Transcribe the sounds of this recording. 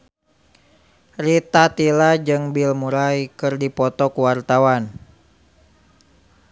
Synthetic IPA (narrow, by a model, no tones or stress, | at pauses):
rit̪at̪ilad͡ʒɨŋbilmuɾaikɨrdipɔt̪ɔkuwart̪awan